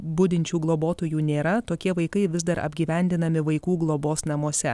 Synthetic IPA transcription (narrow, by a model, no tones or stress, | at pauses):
bʊd̪ʲɪnʲt͡ʃʲuːɡlˠoːboːt̪oːjuːnʲeːɾɐt̪oːkʲiɛʋɐɪkɐɪʋʲɪzd̪ɐɾɐ̰bʲɡʲiːʋʲɛnʲd̪ʲɪnɐmʲɪʋɐɪkuːɡlˠoːboːsnɐmoɔsʲɛ